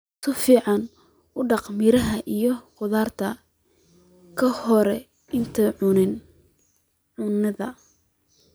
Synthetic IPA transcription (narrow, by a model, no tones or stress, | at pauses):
sʰɐfiːʕɑn | ʊɖɑqmɪɾɐɦɐʔijɞqʊðaːrt̪ʰɐ | kʰɐhɔɾɛ | ɪnt̪ʰɐʊnɪn | ʕʊnɐðɐ